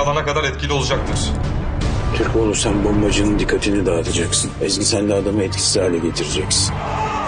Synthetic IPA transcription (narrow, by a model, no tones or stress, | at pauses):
alˠanakad̪aɾɛt̪̚cʰilʲio̞lˠud͡ʒak̚t̪ʰɯɾ̥ | t̪ʰyɾcolˠuɾsanbombad͡ʒɯnɯnd̪ikʰːat̪ʰinid̪aːt̪ʰad͡ʒaksɯnɛzɡʲisænd̪ɛad̪amɯɛt̪̚cʰi̥sihaːlʲɛɟe̞t̪ʰiɾed͡ʒɛcsin